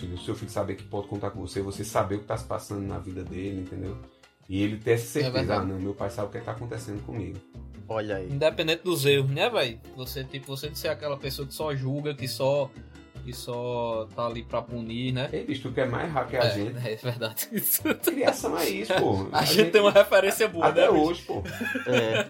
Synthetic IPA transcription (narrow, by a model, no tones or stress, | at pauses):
filɐsɪewfiksabekɪ̥pɔd̪ɪkõnt̪aɾkõvosevosesabeʊkɪ̥t̪asɪ̥pa̰sɐ̃nd̪ʊna̰vid̪ɐd̪elɪĩnt̪ẽnd̪ew | ɪelɪt̪ẽj̃ɛsɐ̥sehɛtvɛezɐanɐ̃w̃mewpajsabɪukɛk̚t̪akõnt̪esẽd̪ʊkõmiɡʊɔʎɐiĩd̪ɛpẽnd̪ẽt̪ɪd̪ʊzeʊnɛvɛj | voset̪ipʊvosed̪ɪseɾakɛlɐpesoɐkɪ̥sɔʒuɡɐkɪsɔ | kɪsɔt̪aalipɾɐpuniɾnɛebiʃt̪ukɛma̰jzɦaɾkaɛʒẽɛvɛhd̪ad̪iskɾiasɐ̃w̃ɛisʊpohɐ̰aʒaʒẽt̪t̪t̪ẽj̃ũmɐɦɛfɛɾẽsiɐboaɐt̪nɛoʒɪpohɛ